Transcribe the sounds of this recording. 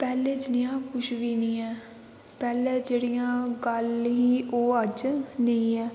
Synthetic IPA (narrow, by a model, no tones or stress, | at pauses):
pɛːleːd͡ʒɪnijãːkʊʃʋiːnĩːɛː | pɛːlɛːd͡ʒeːɽijãːɡəlɦiːʔoːəd͡ʒnəĩːɛː